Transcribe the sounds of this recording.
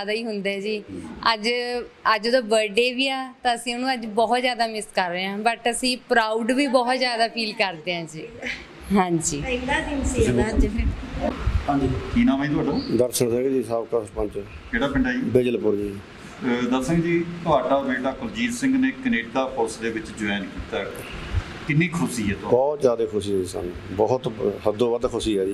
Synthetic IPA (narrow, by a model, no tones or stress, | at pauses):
aːd̪aːiːɦʊnd̪eɛːd͡ʒiːəd͡ʒəd͡ʒod̪õːʋəɖeːʋiːaːt̪ãːəsĩːʊnũːəd͡ʒbɔːt̪zjaːd̪aːmɪskəɾʋeːɦãːbəʈəsĩːpɾaːuɖʋiːbɔːt̪zjaːd̪aːpʰiːlkəɾd̪eːɦãːd͡ʒiː | ɦãːɲd͡ʒiːad̪inãd͡ʒi | ɦãːd͡ʒikiːnãːmaːĩːt̪̬ʊaːɖaːd̪əɾsəɳsɛːɡeːd͡ʒiːsəbkəspə̃ɲt͡ʃɛː | keːɽaːpəɳɖaːibɪd͡ʒəlpʊɾd͡ʒiː | d̪əsə̃ŋɡd͡ʒiːt̪ʊaːɖaːmeːʈaːkʊld͡ʒiːlsɪ̃ŋɡnẽːkəneːʈ̚d̪aːpʰʊɾsd̪eːʋɪt͡ʃd͡ʒʊɛːnkiːt̪aː | kɪnːĩːkʰʊsiːɛːt̪ʊabɔːt̪zjaːd̪eːkʰʊsiːɦɛːd͡ʒiːsa̰ːnũːbɔːt̪səd̪ːõːʋəd̪kʰʊsiːɛːd͡ʒiː